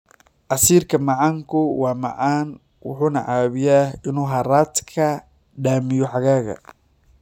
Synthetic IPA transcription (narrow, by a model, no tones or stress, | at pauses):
ʔɐsiːrkʰɐmɑʕaːŋkʰʊwɑːmɑ̰ʕaːn | wʊ̰ħuːnɐ̰ʕaːβɪjaːɪnuːɦɐɾaːd̪kʰɐ | ɖaːmɪjɔħɑɣaːɣɐ̰